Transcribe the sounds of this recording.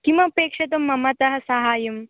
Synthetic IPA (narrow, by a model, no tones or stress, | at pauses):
kimɐpeːkʂɐt̪ɐmːɐmɐt̪ɐɦɐ̆sɐɦaːjɐm